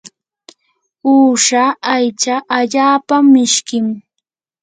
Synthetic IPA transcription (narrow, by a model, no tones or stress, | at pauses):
uːʂaajt͡ʃaʔaʎaːpamːɪʃkɪm